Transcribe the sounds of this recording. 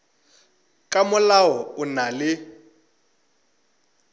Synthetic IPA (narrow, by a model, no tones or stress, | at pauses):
kʼamʊlawɔʊnalɪ